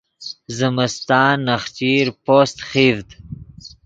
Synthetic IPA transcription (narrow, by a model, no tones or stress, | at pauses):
zɪməst̪ɑːnːaχt͡ʃiːɾpost̪χiːvd̪